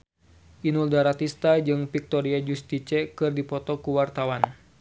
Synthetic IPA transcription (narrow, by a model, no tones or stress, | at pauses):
ʔinuldaɾat̪ist̪ad͡ʒɨŋfik̚t̪ɔɾiad͡ʒust̪it͡ʃɛkɨrdipɔt̪ɔkuwart̪awan